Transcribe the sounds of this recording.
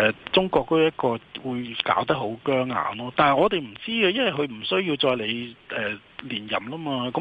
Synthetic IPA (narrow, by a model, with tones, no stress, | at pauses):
ɛː˨˧t͡sʊ˥ŋkɔː˧k̚t̪o˥wjɐ˥t̚kɔː˧wuː˨˧jka̰ː˨˥wt̪ɐ˥k̚ɦo˨˥wkœː˥ŋa̰ː˨˧nlɔː˥t̪aː˨nhɐ˨˩ŋɔː˨˧t̪e˨jm̩˨˩t͡siː˥ɡɛː˧jɐ˥nwɐ˨jkʰɵ˧ɥm̩˨˩sɵ˥ɥjiː˧wt͡sɔː˧jle˨˧jʔɛː˨ | liː˨˩njɐ̰˨˩mlaː˥maː˧kɔ˨˧˥